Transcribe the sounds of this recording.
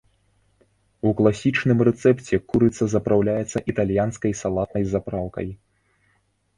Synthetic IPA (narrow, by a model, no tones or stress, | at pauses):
uklˠasʲit͡ʂnɨmrɛt̪sɛpt͡sʲɛkuɾɨt̪sɐzɐpɾawlʲajɛt̪sːɐʔit̪alʲjanskɐjsalˠat̪̚nɐjzapɾawkɐ̰j